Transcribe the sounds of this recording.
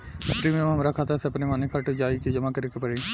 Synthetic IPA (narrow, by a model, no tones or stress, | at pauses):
ɪsʈɾiːmemɦɐmɾakʰaːt̪ɐseɐpnemaːnekʰɐʈd͡ʒaːiked͡ʒɐmakɐɾikepɐɾeː